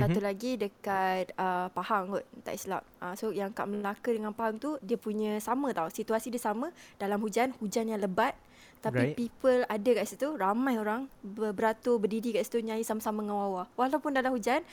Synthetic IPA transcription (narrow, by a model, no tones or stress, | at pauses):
sat̪ulaɡidəkat̪̚əpahaŋkɔt̪̚t̪a̰ʔisla̰m̚ʔəsojaŋka̰ʔmənlakədəŋãnpaɦaŋt̪udiəpuɲə̃samə̃t̪ausit̪uasidiəsamə̃d̥alamhud͡ʒanhud͡ʒanjaŋləbat̪̚ | t̪ːaipipəladakaʔsit̪uramãjoɾaŋbəbəɾat̪ubərdidikaʔsi̥t̪uɲãjisamasamãŋawawawalawpʊndalamhud͡ʒan